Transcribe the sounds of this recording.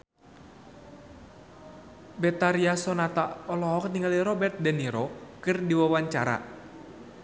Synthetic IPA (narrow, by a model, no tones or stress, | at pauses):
bɛt̪aɾiasɔnat̪aɔlɔɦɔk̚niŋaliɾɔbɛrt̪̚dɛniɾɔkɨrdiwawaɲt͡ʃaɾa̰